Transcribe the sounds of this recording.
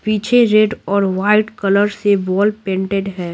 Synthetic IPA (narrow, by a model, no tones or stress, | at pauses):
piːt͡ʃʰeɾeːɖɔːɾʋaːɪʈkɐləɾsebɔːlpẽːɳʈeɖɦɛː